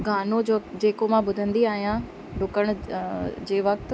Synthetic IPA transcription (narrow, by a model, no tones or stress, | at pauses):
ɡʱaːnod͡ʑoːd͡ʑeːkomãbʊd̪ʱə̃nd̪iaːɦijã | ɖʊkəɽ̃ʊ̆d͡ʑeːʋɐkt̪